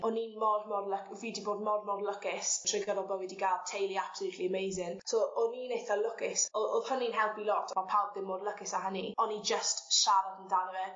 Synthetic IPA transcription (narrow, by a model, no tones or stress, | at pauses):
ɔninmɔdmɔrlˠəkviːdiboːdmɔdmɔrlˠəkɪstʰr̥ɪɡəɾɔbəwɛdiɡalˠtʰejlˠiapsəlutʰliəmejzɪnsoːɔninejθalˠʊkɪsɔoð̥həninɦɛlˠpilˠɔtʰmapʰawb̚dɪmoːdlˠəkɪsaɦəniɔnid͡ʒəstʃaɾadəndanwɛ